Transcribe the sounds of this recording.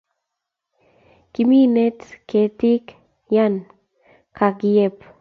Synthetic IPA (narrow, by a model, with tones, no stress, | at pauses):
kimi˦ne˦tke˨ti˦k | ja˦n | ka˨ɡi˨je˦p